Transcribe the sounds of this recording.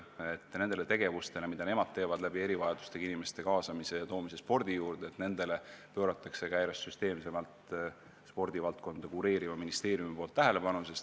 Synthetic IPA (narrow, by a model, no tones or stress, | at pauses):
et̪ːˑne̞nd̪ele̞t̪eɡ̥e̞vust̪e̞lemid̪ɑne̞mɑd̪̥̚t̪e̞ːvɑd̪læbie̞ɾivɑjɑd̪̥u̥st̪eɡ̥inime̞st̪e̞kɑːsɑmise̞jɑt̪o̞ːmise̞spo̞rd̪̥ijuːɾd̪̥et̪ne̞nd̪e̞le̞pø̞ːɾɑt̪ːˑɑkse̞kæjɾɑsːyst̪e̞ːmse̞mɑlt̪ | spo̞rd̪̥ivɑlt̪̚ko̞nd̪̥ɑkuɾeːɾivɑminist̪e̞ːɾijumipo̞ːlt̪ːæɦele̞pɑnuses